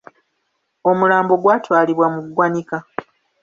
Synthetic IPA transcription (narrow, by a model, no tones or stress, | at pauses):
o̞mulaːmbo̞ɡwaːtwaːliβwamuɡwanika